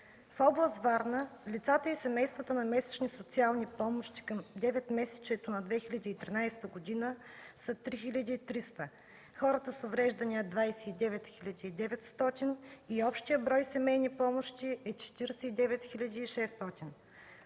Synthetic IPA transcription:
fɔblˠəst̪vaɾnəlʲit̪sat̪əisɛmɛjst̪vɐt̪ənɐmɛsɛ̥t͡ʃnisot̪sialˠnipɔmoʃt̪i̥kəmd̪ɛvɛt̪mɛsɛ̥t͡ʃɛt̪onɐd̪vɛxilʲɐd̪iːt̪ɾinajst̪əɡod̪inə | sət̪ɾixilʲɐd̪iːt̪ɾist̪ə | xɔɾət̪əsovɾɛʒd̪ɐniɐd̪vajsɛid̪ɛvɛt̪xilʲɐd̪iːd̪ɛvɛt̪st̪ɔt̪ʲiniɔpʃt̪ijəbɾɔjsɛmɛjnipɔmoʃt̪iʔɛt͡ʃɛ̥t̪iɾɛsɛid̪ɛvɛt̪xilʲɐd̪iːʃɛst̪ɔt̪ʲin

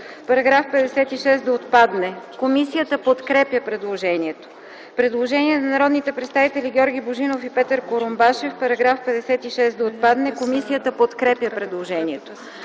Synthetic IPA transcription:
pɐɾɐɡɾafpɛd̪ɛsɛt̪iʃɛsd̪ɐot̪pad̪nɛkomisijət̪əpot̪kɾɛpjəpɾɛd̪lˠoʒɛniɛt̪o̥ | pɾɛd̪lˠoʒɛniɛnɐnɐɾɔd̪nit̪ɛpɾɛt̪st̪avit̪ɛlʲiɡʲɔɾɡʲiboʒinofipɛt̪əɾkoɾombaʃɛfpɐɾɐɡɾafpɛd̪ɛsɛt̪iʃɛsd̪ɐot̪̚pad̪nɛkomisijət̪əpot̪kɾɛpʲjəpɾɛd̪lˠoʒɛniɛt̪o

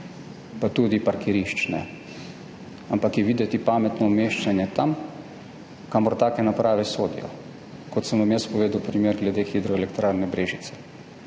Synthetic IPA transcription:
pat̪uːd̪ipaɾkʰɛɾiʃt͡ʃnɛ̰ | ampakjɛʋiːd̪ɛt̪ipaːmɛt̪nɔːmeʃt͡ʃanjɛt̪am | kamɔɾt̪aːkɛnapɾaːʋɛsoːd̪ḭjɔ̰ | kɔt̪səmʋamjəspɔʋeːd̪uwpɾimeːɾɡlɛd̪exid̪ɾɔɛlɛkt̪ɾaːɾnɛbɾeːʒit̪sɛ̥

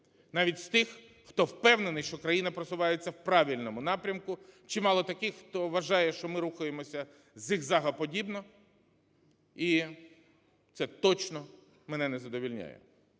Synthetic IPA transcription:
nɑʋʲitʲst̪ɪxː | t̪ɔwpɛwnenɪʃt͡ʃɔkɾɐjinɐpɾɔsʊʋɑjet͡sʲːɐwpɾɑʋʲilʲnɔmʊnɑpɾʲɐmkʊt͡ʃɪmɑlˠɔt̪ɐkɪxːt̪ɔʋɐʒɑjɛʃt͡ʃɔmɪɾuxʊjemɔsʲɐ | zʲixzɑɦɐpɔdʲibnɔ | i | t̪sɛt̪ɔt͡ʃnɔ | mɛnɛnɛzɐd̪ɔʋʲilʲnʲa̰jɛ̰

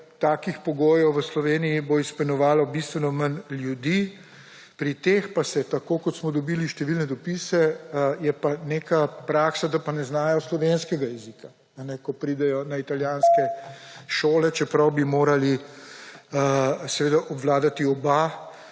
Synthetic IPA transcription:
t̪aːkixpɔɡoːjɔwʋəslɔʋeːnijiboispɔnɔʋaːlɔbist̪ʋɛnɔmɐnljud̪i | pɾit̪expasɛt̪akokɔt̪smɔd̪ɔbiliʃt̪ɛʋilnɛd̪ɔpisɛjɛpaneːkapɾaksad̪apanɛznaːjɔslɔʋenskɛɡajɛzikaː | nɛkɔpɾid̪ɛjɔnait̪aljaːnskɛʃoːlɛt͡ʃɛpɾɐwbimoːɾali | sɛʋeːd̪aʔɔbʋlaːd̪at̪iɔba

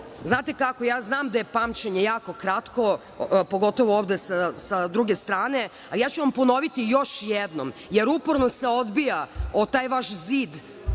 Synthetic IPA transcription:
znaːt̪e̞kakojaːznaːmd̪ajepaːmt͡ɕeɲejaːko̞kɾat̪ko | poɡo̞t̪o̞ʋooːʋd̪esasad̪ɾuɡest̪ɾaːne | alijaːt͡ɕuʋampo̞no̞ʋit̪ijo̞ʃjɛd̪nomjeɾupoɾnoseo̞d̪bijaot̪aːjʋaʃziːd̪

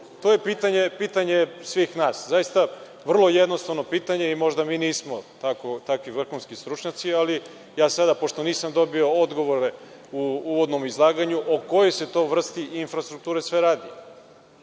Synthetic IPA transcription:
t̪o̞je̞piːt̪aɲe̞piːt̪aɲe̞sʋiːxnaːszajist̪a | ʋr̩lˠo̞jed̪nost̪aʋno̞piːt̪aɲe̞imo̞ʒd̪amiːniːsmo̞t̪akot̪akʋiʋr̩xunskist̪ɾut͡ʃɲat̪siali | jaːsad̪apo̞ʃt̪o̞niːsamd̪o̞bio̞od̪ɡo̞ʋo̞ɾe | uuʋod̪no̞mizlˠaːɡaɲuʔoko̞jojse̞t̪o̞ːʋr̩st̪iinfɾast̪ɾuk̚t̪uːɾesʋe̞ɾaːd̪i

